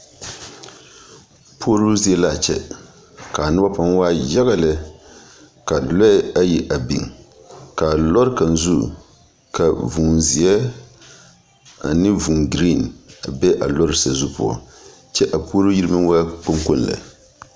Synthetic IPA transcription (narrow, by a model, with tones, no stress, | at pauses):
pʰo˦ɾu˦zi˦ɛ˦la˨t͡ʃɛ̰˦ | ka˨nɨ˦ba˦pa˦ŋ˦waː˦ja˦ɣa˨la˦ | ka˨lɔ˦a˦ji˦ʔa˨bḭ˨ŋ˨ | ka˨lɔ˦ɾka˨n˨zu˦ | ka˨vu˨nzi˨ɛ˦ | a̰˨nɨ˦vu˨ŋɡɾi˦˨na˨bɛ˦ʔa̰˨lɔ˦ɾɨ˨sa˨zu˦pʊ̰˦ɔ̰˨ | t͡ʃɛ˦ʔa˨po˦ɾu˦ji˦ɾɨ˦mɨ˦wa˦k͡pʊ˦ŋko˦n˨la̰˨